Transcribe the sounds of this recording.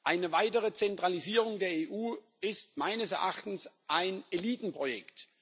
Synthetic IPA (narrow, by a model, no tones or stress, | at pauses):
ʔaɪnəvaɪtəʁət͡sɛntʁ̥aliziːʁ̞ʊŋdeːɐeːʔuː | ɪstmaɪnəsɛɐʔa̰χtn̩sʔaɪneliːtn̩pʁ̥ojɛkt